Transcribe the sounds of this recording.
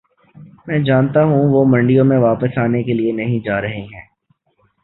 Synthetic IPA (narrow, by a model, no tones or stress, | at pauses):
mɛ̃ːd͡ʒaːnt̪aɦũʋomɐ̃ɳɖijõmẽʋaːpəsaːnekelienɐɦĩd͡ʒaːɾɐɦeɦɛ̃ː